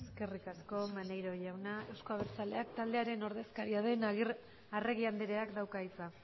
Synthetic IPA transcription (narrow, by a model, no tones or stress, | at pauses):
eske̞rikasko̞manejɾo̞ʝawnae̞wsko̞aβeɾt͡sale̞akt̪ald̪e̞aɾe̞no̞ɾðe̞skaɾiað̞e̞naɣiɾ | are̞ɣiand̪eɾe̞akd̪awkaisa